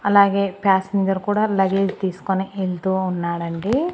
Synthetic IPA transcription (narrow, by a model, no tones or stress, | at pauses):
ɐlaːɡe̞ːpjaːsmiːd̪ɐɾukuːɽaːlɐɡeːd͡ʒt̪iːsu̥koniʔelt̪uːunːaːɽɐɳɖi